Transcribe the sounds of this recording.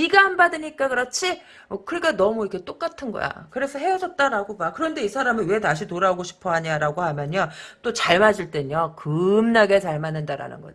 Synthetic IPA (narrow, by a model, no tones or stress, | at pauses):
iɡaɦanbadɯɲik͈akɯɾʌt͡ɕʰi | kɯɾik͈anʌmuikʰe̞t͈ok͈atʰɯnɡʌ̰ja̰kɯɾe̞sʰʌɦe̞jʌd͡ʑʌt̚t͈aɾaɡomakɯɾʌnde̞isʰaɾaminwe̞taɕʰitoɾaoɡoɕʰi̥pʰʌɦaɲaɾaɡohamjʌɲʌt͈ot͡ɕaɭmad͡ʑiɭt͈e̞ɲʌkɯmnaɡe̞sʰaɭmanːɯndaɾa̰nɯ̰nɡʌ